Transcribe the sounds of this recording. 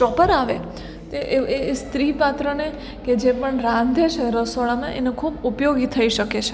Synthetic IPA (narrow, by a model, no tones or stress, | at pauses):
t͡ʃɔpəɾaʋḛ | t̪eʔeest̪ɾipat̪ɾəne | ked͡ʒepəɳɾãnd̪ʱet͡ʃʰeɾəsoɭamã̰ʔenokʰubupjoɡit̪ʰəiʃəket͡ʃʰe